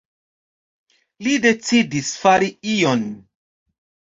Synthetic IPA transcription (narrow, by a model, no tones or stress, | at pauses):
lide̞t͡sidisfaɾiion